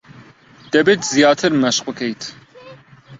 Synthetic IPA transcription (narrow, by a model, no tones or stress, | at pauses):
d̪̥ɐbeːt̪zijɑːt̪ʰɨɾmɐʃq̚bɨkʰejt̪ʰ